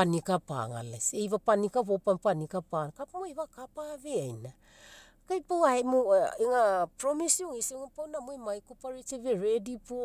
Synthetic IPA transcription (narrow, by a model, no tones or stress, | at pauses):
anikapa̰ŋa̰la̰sejβapanikaβopampanikapankapmojβakapaβeajna | kajpawaemueŋapɾomisioŋiseŋupawnamomajkupaɾit͡ʃeβeɾedipo